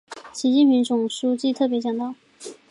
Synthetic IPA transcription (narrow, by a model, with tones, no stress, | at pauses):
ɕi˧˥t͡ɕi˥˩npʰi˧˥ŋt͡sʊ˨˩ŋʂu˥t͡ɕi˥˧t̪ʰɤ˥˩p̬jɛ˧˥t͡ɕjɑ˨˩ŋt̪ɑ˥˩ʊ